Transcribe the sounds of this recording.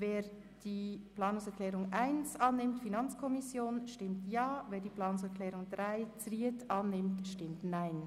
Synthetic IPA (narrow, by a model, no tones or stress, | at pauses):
veːɾ | d̥iːpʰlaːnʊŋsɛɐkʰl̥ɛːʁʊŋʔaɪnsɑnːɪmtfinɑnt͡skʰɔmɪsjoːnʃtɪmtʰjaːveːɐdiːpl̥aːnʊŋsɛɐkʰlɛːʁʊŋdʁaɪt͡sʁiətʔɑnːɪmtʃtɪmtnaɪn